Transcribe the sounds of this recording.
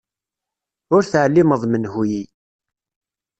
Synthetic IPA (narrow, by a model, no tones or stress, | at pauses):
ʊɾθʕəlːiməðˤmənhuji